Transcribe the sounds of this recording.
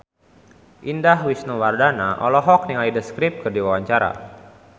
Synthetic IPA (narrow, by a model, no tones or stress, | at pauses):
ʔindaɦwisnuwardanaʔɔ̰lɔɦɔk̚niŋalidəskɾip̚kərdiwawaɲt͡ʃaɾa̰